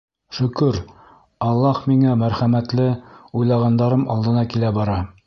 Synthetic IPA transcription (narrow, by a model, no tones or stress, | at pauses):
ʃɵ̆kɵɾ | ɑlˠːɑhmiŋæmæɾχæmæt̪lɘujlˠɑʁɑnd̪ɑɾɤmɒlˠd̪ɤ̆nɑkilæbɒɾɑ